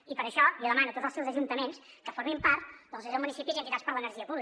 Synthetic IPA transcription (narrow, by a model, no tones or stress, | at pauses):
ipəɾəʃɔliðəmanut̪ot̪d͡zzəlˠsɛwzəʒunt̪əmens | kəfoɾmimpaɾt̪d̪ɔlˠzezəlˠmunisipizənt̪it̪aspəɾlənəɾʒiəpuβli